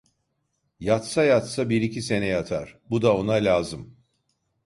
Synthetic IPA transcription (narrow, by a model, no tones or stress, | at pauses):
jat̪sajat̪sabiɾicʰise̞nɛjat̪ʰaɾ̥bud̪ao̞nalʲaːzɯm